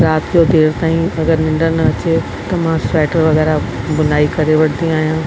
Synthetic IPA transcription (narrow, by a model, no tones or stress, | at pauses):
ɾaːt̪ʰijod̪eːɽt̪aːĩɐɡəɾnɪ̃ɳɖəɾnɐɐt͡ɕe | t̪ɐmãsɛːʈəɾʋɐɣɛːɾa | bʊnaːikɐɾeʋɐɽ̤ʰnd̪ĩaːɦijãː